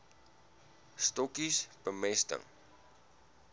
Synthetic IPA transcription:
stɔkisb̥əmɛstə̰ŋ

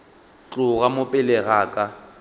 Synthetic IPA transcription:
t͡ɬʼʊɣamʊpʼɪlɛɣaːkʼa

